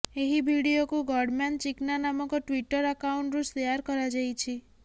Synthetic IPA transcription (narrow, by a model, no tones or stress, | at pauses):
eɦibʱiɽiokũɡɔɽmant͡ʃiknanamɔkoʈʋiʈəɾəkauɳʈɾũst̪əjaɾkɔɾad͡ʒajt͡ʃʰi